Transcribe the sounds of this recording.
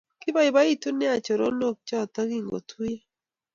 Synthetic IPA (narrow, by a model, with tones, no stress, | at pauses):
kɪ˦ba˦i˨ba˦i˦tu˦nɪ˦a˨t͡ʃo˨ɾo˦no˦˨k̚t͡ʃɔ˦˨ta˦ɡi˦ŋɡo̰˨tʰu˦je˦